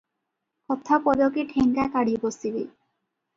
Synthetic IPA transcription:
kɔt̪ʰːapɔd̪okeʈʰeŋkakaɽibost̪ibḛ

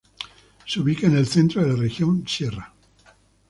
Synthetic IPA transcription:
seuβikaenelθent̪ɾoðelarexjonsera

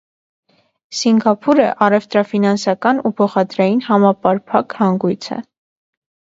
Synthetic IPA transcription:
siŋɡɑpʰuɾə̰ʔɑrɛvt̪ɾɑfinɑnsɑkɑnupʰɔχɑd̪ɾɑjinhɑmɑpɑɾpʰɑkhɑŋɡujt͡sʰɛ̰

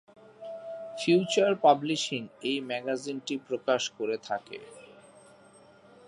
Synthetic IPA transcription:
fjuːt͡ɕaɾpabliʃiŋejmɛɡazinʈipɾokaʃkoɾet̪ʰakḛ

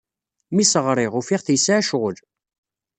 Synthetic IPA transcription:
misəʁɾˤɪʁufiʁθjsʕʃʁəl

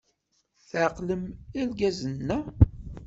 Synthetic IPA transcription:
θʕqləmælɡæzənːæ

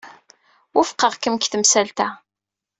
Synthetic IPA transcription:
wʊfqəʁkəmkθəmsælt̪æ

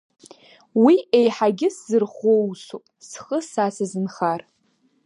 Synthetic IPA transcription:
wiejħaɡʲɪszɨrχowsopʼsχəsasazɨnχar

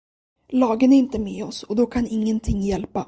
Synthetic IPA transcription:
lɑːɡənæɾɪnt̪əmeːɔsɔd̪ɔkʰanɪŋːənt̪ʰɪŋːjɛlpa

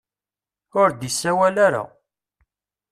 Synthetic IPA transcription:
ʊɾd̪isːæwælaɾa̰

